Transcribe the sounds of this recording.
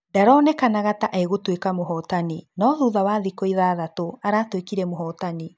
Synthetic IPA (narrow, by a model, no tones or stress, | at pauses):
daɾɔːnɛkanaɣataʔaeɣotwekamoɦɔːtaninɔðuðawaðikɔiðaːðatoaɾaːtwekiɾɛmoɦɔtani